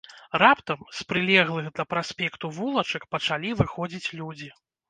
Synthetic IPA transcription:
rapt̪ɐmspɾɨlʲɛɣlˠɨɣd̪lʲɐpɾasʲpʲɛkt̪uvulˠɐt͡ʂɐkpɐt͡ʂalʲivɨxɔd͡zʲit͡sʲlʲud͡zʲi

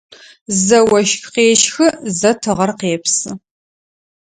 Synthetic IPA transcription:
zɐwɐʃxqeːʃxɨzɐtʰɨʁɐrqeːpʰsɨ

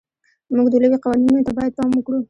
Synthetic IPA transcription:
muɡd̪ələweqawɑninot̪abɑjad̪̚pɑməkɽu

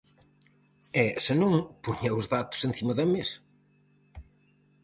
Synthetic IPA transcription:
ɛsɨnõŋpuɲɐʊzðat̪ʊ̥sẽn̟θimɐðɐmes

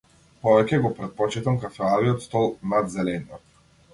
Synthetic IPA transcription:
pɔvɛcʲɛɡɔpɾɛt̪̚pɔt͡ʃit̪amkafɛaviɔt̪st̪ɔlˠnad̪zɛlɛniɔ

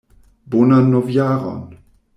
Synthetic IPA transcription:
bonanɔvjaʁɔ̰n

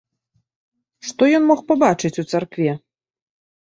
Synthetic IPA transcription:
ʂt̪ɔjɔnmɔxpabat͡ʂɨt͡sʲut̪sarkvʲɛ

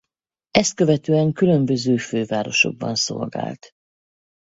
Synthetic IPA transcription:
ɛst̪̚køvɛt̪øːɛŋkylø̞mbøzøːføːvaːɾo̞̰ʃo̞̰ɡ̚bɒ̰nso̞̰lɡa̰ːlt̪

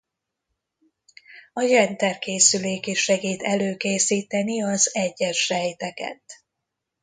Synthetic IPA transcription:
ɒjɛnt̪ɛrkeːsyleːkiʃɛɡiːt̪ɛløːkeːsiːt̪ɛniɒzɛɟːɛʃrɛjt̪ɛkɛ̰t̪

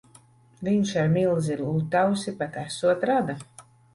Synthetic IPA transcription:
viɲʃaɾmilˠziɾlˠuːt̪awsipat̪æsuɔt̪ɾad̪a

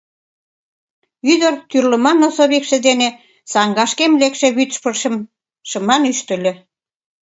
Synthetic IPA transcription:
yd̪ərt̪yrlə̆mɑnosoβikʃĕd̪ene | sɑŋɡɑʃkemlekʃeβyt̪ʃpəm | ʃə̆mɑnyʃt̪ə̆lʲĕ

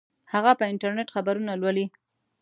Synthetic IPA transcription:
haɣapəɪɳʈaɾneʈxabaɾunalwəli

